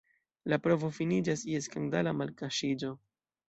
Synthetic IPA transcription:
lapɾo̞vo̞finid͡ʒasie̞skandalamalkaʃid͡ʒo̞

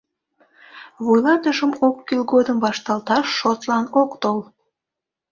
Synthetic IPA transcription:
βujlɑt̪əʃəmokːilɡod̪əmbɑʃt̪ɑlt̪ɑʃːot̪lɑnokt̪ol

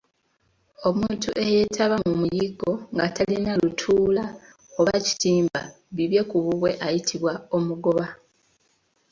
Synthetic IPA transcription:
o̞muːntuʔe̞je̞tʰaβamumujiɡo̞ŋɡatʰalinalutʰuːla | o̞βaci̥tiːmba̰ | βiβje̞kuβuβwe̞ʔajitʰiβwao̞muɡo̞βa

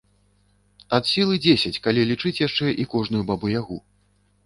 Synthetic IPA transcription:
ɐt̪sʲilˠɨd͡zʲesʲɐt͡sʲkalʲilʲit͡ʂɨt͡sʲjaʂt͡ʂɛʔikɔʐnujubabɨjaɣu

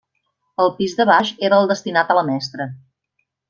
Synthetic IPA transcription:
əlˠpizðəβaʃeɾəːlˠd̪əst̪inat̪ələmɛst̪ɾə

